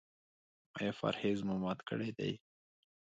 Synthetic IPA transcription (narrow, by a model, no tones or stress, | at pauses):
ajɑfa̰ɾhezmʊmɑt̪kə̰ɽed̪a̰j